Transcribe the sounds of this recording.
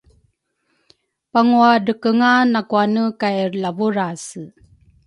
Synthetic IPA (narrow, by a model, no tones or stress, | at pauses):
paŋuadəkəŋanakuanəkajrlavuɾas